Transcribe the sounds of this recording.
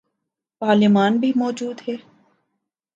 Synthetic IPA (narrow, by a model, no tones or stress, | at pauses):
paːlɪmaːnbʱimɔːd͡ʒuːd̪ɦɛː